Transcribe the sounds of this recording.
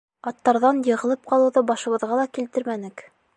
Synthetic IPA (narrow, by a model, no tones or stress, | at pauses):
ɑt̪ːɑɾðɑnjɤ̆ʁɤ̆lˠɤp̚qɑlˠɤ̆wðɤbɑʃɤ̆βɤ̆ðʁɑlˠɑkilt̪ɘɾmænɘk